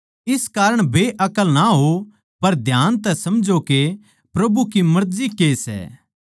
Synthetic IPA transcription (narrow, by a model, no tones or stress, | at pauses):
ɪskaːɾəɽ̃bʱeʔɐkəlnaɦo | pɐɾd̪ʱjaːnt̪ɛsɐmd͡ʒoke | pɾɐbukimɐɾzikesɛ̰ː